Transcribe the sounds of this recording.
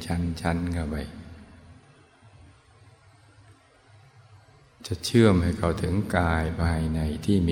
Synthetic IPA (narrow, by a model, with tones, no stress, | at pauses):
t͡ɕʰa˦˥nt͡ɕʰa˦˥nka˧˩ba˧˩j | t͡ɕa˧˩t͡ɕʰɯ˥˩əmha˧˨˩jkʰa˧˩wt̪ʰɯ˨˩˦ŋkaː˧jpʰaː˧a˧˩jna˧˩jt̪ʰiː˥˩mi˧